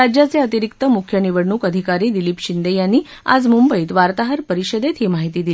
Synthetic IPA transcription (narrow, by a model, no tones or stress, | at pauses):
ad͡ʑjat͡seət̪iɾikt̪əmukʰjəniʋəɽɳuːkəd̪ʱikaɾiːd̪ilipɕind̪ejanːiː | a̰d͡zmumbəiːt̪ʋaɾt̪aɦəɾpəɾiɕəd̪et̪ɦimaɦit̪iːd̪il